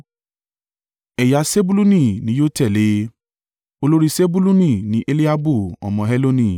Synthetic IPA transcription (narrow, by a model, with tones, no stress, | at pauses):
ɛ˨ja˨˦se˦bu˦lu˦nĩ˦˨nĩ˨˦jo˦tɛ˦˨le˨˦ | o˧lo˦ɾi˦se˦bu˦lu˦nĩ˦˨nĩ˨˦ʔe˦li˦a˦bu˦˨ɔ̰˨mɔ̃˧ɦɛ˦lo˦nĩ˦˨